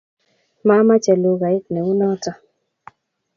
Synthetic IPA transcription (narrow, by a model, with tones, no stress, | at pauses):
ma˦ma˦t͡ʃɛ˨lo˨ɡa˨ɪ˦k̚nɛ˨u˦nɔ˦tɔ˦